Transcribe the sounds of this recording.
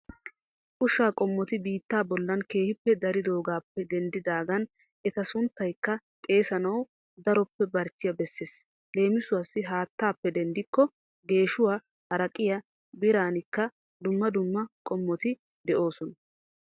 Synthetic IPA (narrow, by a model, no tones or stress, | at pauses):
ʔʼʊʃaːkʼɔmːɔt̪ɪbiːt̪ːaːbɔlːɐnke̞ːhɪpːɛd̪ɐɾɪd̪o̞ːɡaːpːɛd̪ɛnd̪ɪd̪aːɡɐn | ʔɛt̪ɐsʊnt̪ːɐjkːɐ | t̪ʼe̞ːsɐnɐw | d̪ɐɾɔpːɛbɐɾt͡ʃːɪjɐbɛsːeːs | le̞ːmɪsʊwɐsːɪɦaːt̪ːaːpːɛd̪ɛnd̪ɪkːɔ | ɡe̞ːʃʊwaː | hɐɾɐkʼɪjɐ | bɪɾaːnɪkːɐ | d̪ʊmːɐd̪ʊmːɐkʼɔmːɔt̪ɪ | d̪ɛʔo̞ːsɔnɐ